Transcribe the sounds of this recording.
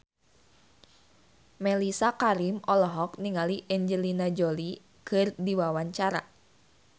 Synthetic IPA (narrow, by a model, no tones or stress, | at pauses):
mɛlisakaɾimɔlɔɦɔkniŋaliʔɛɲd͡ʒəlinad͡ʒoli | kʰɨrdiwawaɲt͡ʃaɾa̰